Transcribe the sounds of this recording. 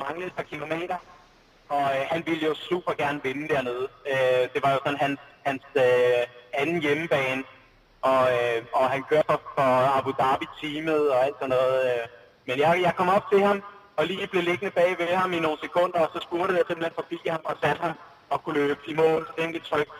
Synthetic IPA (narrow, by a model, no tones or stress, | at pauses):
mɑ̈ŋləð̩ˠfʰɑ̈kʰilo̝mḛːd̥ɐ | ɒ̽øɦænʋiləjo̝suːb̥ɐɡ̥æɐnəʋe̝nəd̥æɐ̰ne̝ð̞̩ˠød̥e̝ʋɑ̈jo̝sɒ̽nɦænhænsøænn̩jeməb̥ɛ̰ːn | ɒ̽øɒ̽ɦænkʰøːɐfɒ̽fɒ̽ɑ̈b̥ud̥ɑ̈b̥it͡sʰiːməð̞̩ˠɒ̽æl̰d̥sɒ̽nːɔ̽ːð̩ˠø | menjɑ̈ɪjɑ̈ɪkʰɒ̽mɒ̽b̥̚t͡sʰe̝ɦɑ̈m | ɒ̽liːb̥le̝le̝ɡ̥nəb̥ɛ̰ːʋe̝hɑ̈mino̝ːn̩sekʰɔ̽n̰d̥ɐɒ̽sɒ̽sb̥uɐɾ̥ð̩ˠjɑ̈semlenfɒ̽b̥ḭːhɑ̈mɒ̽sæd̥hɑ̈m | ɒ̽kʰuløːbb̥əimɔ̰̽ːld̥eŋ̰ɡ̥ət͡sʰʁœɡ̥̚